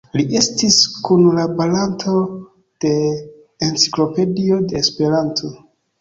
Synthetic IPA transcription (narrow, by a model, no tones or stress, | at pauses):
lie̞stiskunlabalanto̞ | d̥e̞ː | nt͡si̥klo̞pe̞dio̞de̞ːspe̞ɾantʰo